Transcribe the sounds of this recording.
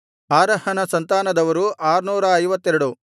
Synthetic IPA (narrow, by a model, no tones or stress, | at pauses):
aːɾɐhɐnɐsɐnt̪aːnɐd̪ɐʋɐɾuʔaːɾnuːɾɐːjʋɐt̪ːɛɾɐɽu